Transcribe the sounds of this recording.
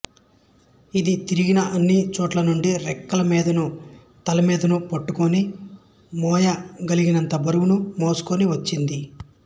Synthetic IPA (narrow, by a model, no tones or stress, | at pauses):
id̪it̪iɾiɡinɐʔɐnːit͡ʃɔːʈlɐnuɳɖiɾɛkːɐlɐmiːd̪ɐnu | t̪ɐlɐmiːd̪ɐnupɐʈːukoni | mɔːjɐɡɐliɡinɐnt̪ɐbɐɾuwunumoːsu̥koniʋɐt͡ʃːind̪i